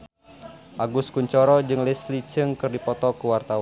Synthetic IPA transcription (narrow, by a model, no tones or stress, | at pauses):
ʔaɡʊskuɲt͡ʃɔɾɔd͡ʒɨŋlɛslit͡ʃɨŋkɨrdipɔt̪ɔkuwart̪aw